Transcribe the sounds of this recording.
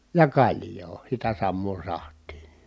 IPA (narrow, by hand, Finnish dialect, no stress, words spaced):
jɑ kɑlʲjoː sitæ sɑmːoː sɑhtˑiː